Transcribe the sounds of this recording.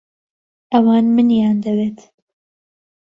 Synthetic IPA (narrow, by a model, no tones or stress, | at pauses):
ʔɐwɑːnmɨnjaːnd̪ɐweːt̪